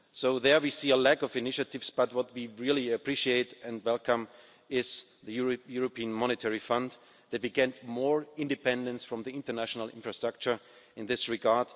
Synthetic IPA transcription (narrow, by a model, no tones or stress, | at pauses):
soʊðə˞wisiːəlækɔvɪnɪʃɨtɪvsb̥ʌt̚wʌt̚wiɹɪlˠiɨpʰɹ̥iʃieɪtɛ̃ndwɛlˠkə̃m | ɪz̥ðɨjjʊɹopʰiə̃nmɑñɨtʰɛɹifʌ̃n | ðɨt̚wiɡɛ̃ntmɔɹɪ̃ndɨpɛ̃ndə̃nsfɹʌ̃mðiɪ̃ntə˞næʃənəl̩ˠɪ̰̃nfɹastɹ̥ak̚t͡ʃə˞ | ɨ̃nðɪsɹɪɡɑɹd̥